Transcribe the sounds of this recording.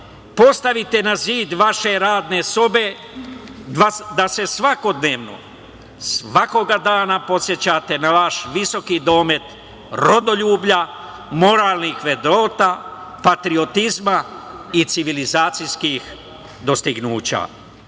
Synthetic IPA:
po̞st̪aʋit̪e̞naziːd̪ʋaʃe̞ɾaːd̪ne̞so̞be̞ | ʋad̪ase̞sʋako̞d̪ne̞ːʋno̞̰ | sʋako̞ɡad̪aːnapo̞t̪sje̞t͡ɕat̪e̞naʋaʃʋiso̞kid̪o̞ːme̞t̪ | ɾod̪o̞ʎuːbʎa | mo̞ɾaːlˠnixʋe̞d̪ɾo̞ːt̪aːpat̪ɾio̞t̪izmait̪siʋilizaːt̪sijskix | d̪o̞st̪iɡnuːt͡ɕa̰

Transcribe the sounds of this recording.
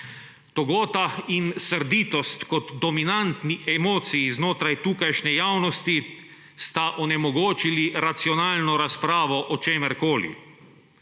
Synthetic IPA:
t̪ɔɡoːt̪ainsəɾd̪iːt̪ɔst̪kɔt̪d̪ɔminant̪niʔɛmoːt̪sijiznoːt̪ɾajt̪uːkajʃnɛjaːwnɔst̪i | st̪aʔɔnɛmɔɡoːt͡ʃiliɾat̪siɔnaːlnɔɾaspɾaːʋɔʔɔt͡ʃeːmɛɾkoːlḭ

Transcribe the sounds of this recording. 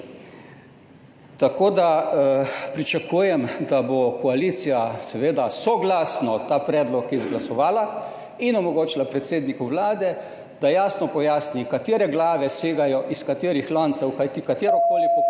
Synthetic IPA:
t̪akoːd̪a | pɾit͡ʃakujɛmd̪abokɔaliːt̪sijasɛʋeːd̪asɔɡlasnɔt̪aːpɾɛːd̪lɔkjɛzɡlasɔʋaːla | inɔmɔɡoːt͡ʃilapɾɛt̪seːd̪nikuwlaːd̪ɛ | d̪̥ajaːsnɔpɔjaːsnikat̪eːɾɛɡlaːʋɛseːɡajɔʔiskat̪eːɾixlɔnt̪sɛwkat̪ikat̪eːɾɔkoːlikɔ

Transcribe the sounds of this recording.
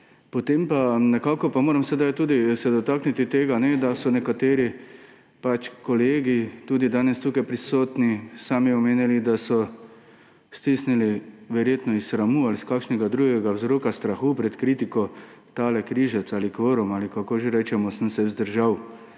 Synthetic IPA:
pɔt̪empanɛkaːkɔpamoːɾamsɛd̪ajt̪uːd̪isɛd̪ɔt̪aːknit̪it̪eːɡanɛd̪asɔnɛkat̪eːɾi | pat͡ʃkɔleːɡit̪uːd̪id̪aːnɛst̪uːkajpɾisoːt̪nisaːmiɔmeːnilid̪asɔ | st̪isniliʋɛɾjeːt̪nɔisxɾamualiskaːkʃnɛɡad̪ɾuːɡɛɡawzɾoːkast̪ɾaxupɾɛt̪kɾiːt̪ikɔt̪aːlɛkɾiːʒɛt̪saːlikʋəɾumaːlikakoːʒeɾɛːt͡ʃɛmɔsənsɛzd̪əɾʒaw

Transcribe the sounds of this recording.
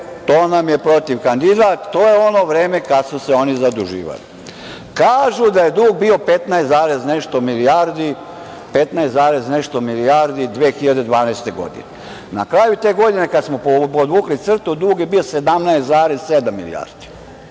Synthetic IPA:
t̪o̞ːnamjepɾo̞t̪iʋkand̪id̪at̪ːoːjeo̞no̞ːʋɾeːme̞kad̪suseo̞nizad̪uʒḭːʋa̰lḭ | kaːʒud̪aje̞d̪uːɡ̚bio̞pe̞t̪naest̪zaːɾezne̞ʃt̪omiliaɾd̪i | pe̞t̪najeszaːɾezne̞ʃt̪o̞miliaɾd̪id̪ʋeːxiʎad̪e̞d̪ʋaːnajst̪e̞ɡo̞̰d̪ḭne | na̰kɾajut̪e̞ːɡo̞d̪ine̞kad̪smopopod̪ʋuːklit̪sr̩t̪ud̪uːɡje̞biose̞d̪amnaest̪zaːɾezsed̪amːḭlḭja̰ɾd̪̥i̥

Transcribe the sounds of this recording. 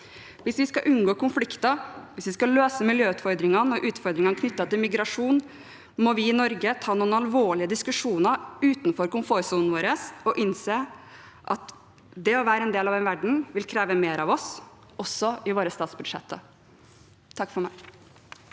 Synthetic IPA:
ʋɪsʋɪskɑʔʉnːɡoːkʊnflɪkt̪əʋɪsʋɪskɑløːsəmɪljøːʉːt̪fɔɾd̪ɾɪŋɑnəɔʔʉːt̪fɔɾd̪ɾɪŋɑnəkʰnʏt̪ːɑt̪ɪlmɪɡɾɑʂuːn | mɔʋɪːnɔɾɡət̪ʰɑːnuːnɑlʋoːɭɪəd̪ɪskʉʂuːnəɾʉːt̪nfɔɾkʊnfoːɾsuːnn̩ʋoːɾəsɔʔɪnseː | ʔɑt̪ | d̪ɛɔʋæːɾəɛnd̪eːlɑʋɛnʋæɖɳ̩ʋɪlkʰɾeːʋəmeːɾɑʋɔs | ɔsːɔɪʋoːɾəst̪ɑːt̪sbʉd̪̥ʂɛ̰t̪ʰːə | t̪ʰɑkːfɔɾmæ̰ɪ

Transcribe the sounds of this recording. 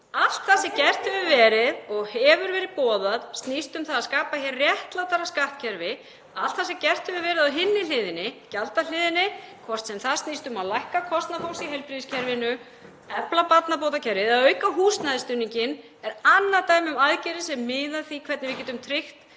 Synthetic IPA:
al̥t̪θasɛcɛr̥t̪hɛvʏvɛːɾɪðɔɣhɛvʏɾvɛːɾɪðpɔːðaðst̪nist̪ʏmθaðaðskaːpaçɛrːjɛht̪lat̪aɾaskaht̪̚cʰɛɾvɪ | alt̪θasɛmcɛr̥t̪hɛvʏvɛːɾɪðawɦɪnːɪlɪːðɪnːɪcalt̪alɪːðɪnɪkʰvɔst̪sɛmθaðst̪niːst̪ʏmaðlajhkakʰɔst̪nafowlsiɦejlpɾiðiscʰɛɾvɪnʏ | ɛplapat̪napowt̪̬acʰɛɾvɪðaðœːɥkaɦuːst̪naðɪst̪ʏnːiɲcɪn | ɛɾanːaɾt̪aːjmʏmaðcɛɾɪsɛmːɪːðaθikʰvɛt̪nɪvɪcɛːt̪ʏmt̪ʰɾɪxt̪

